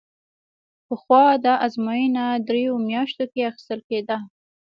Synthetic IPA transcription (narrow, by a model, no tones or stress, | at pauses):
pəxwɑd̪ɑʔazmɑjinad̪ɾejomjɑʃt̪okeaxɪ̥st̪əlked̪a